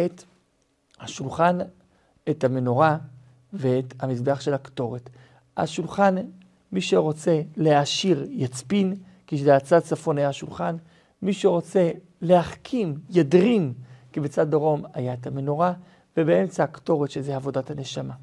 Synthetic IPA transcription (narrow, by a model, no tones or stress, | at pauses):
et | haʃulχan | etameno̞ʁa | veethamisbeaχʃe̞lakto̞ʁet | ha̰ʃulχan | miʃeʁo̞t͡se̞leaʃiʁjat͡spin | kiʃzeat͡sad̚t͡safo̞nhajaaʃulχan | miʃeʁo̞t͡se̞ | le̞haχkʰimjadʁimkibet͡sad̪̚daʁo̞ma̰jaetameno̞ʁa | vebee̞mt͡saakto̞ʁetʃezeavo̞dathane̞ʃama